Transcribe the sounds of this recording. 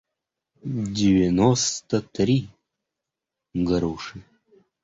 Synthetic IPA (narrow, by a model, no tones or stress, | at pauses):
dʲɪvʲɪnɔst̪ət̪ɾʲi | ɡɐɾuʂɨ